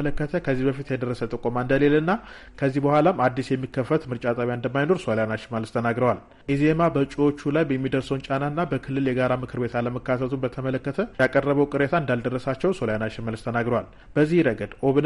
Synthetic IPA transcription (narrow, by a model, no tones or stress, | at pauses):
ələkːət̪ʰəkʰəzːihbəfit̪jɛd̪ərːəsət̪ʼɨkʼomaɨnd̪əle̞lɨnːa | kʰəzːihbəhʷalamad̪ːisjɛmːikːəfːət̪mɨɾt͡ʃʼat̪ʼaβjaɨnd̪əmːajno̞ɾsoljanaʃɪmalɨst̪ʰənaɡɾəwal | ʔizemabət͡ʃʼiwo̞t͡ʃːulajbjɛmːid̪əɾsəwnt͡ʃʼanaɨnːabəkʰɨlːɨljɛɡaɾamɨkʰɨɾbe̞t̪aləməkːat̪ʰət̪ʰubət̪ʰəmələkːət̪ʰəjakʼərːəβəwkʼɨɾet̪ʰaɨnd̪ald̪ərːəsat͡ʃːɛwso̞ljanaʃɪmalɨst̪ʰənaɡɾəwal | b̥əzːihɾəɡəd̪oβn